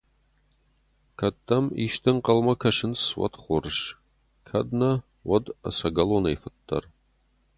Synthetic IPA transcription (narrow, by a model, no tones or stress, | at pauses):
kʰɐtʰːɐmḭːʃt̪ʰɨŋqɐlmɐkʰɐʃɪnswɐ̰t̪χʷʊrʃ | kʰɐd̪nɐ | wɐdɐ̰sɐɡɐlonejfɨt̪ʰːɐ̰r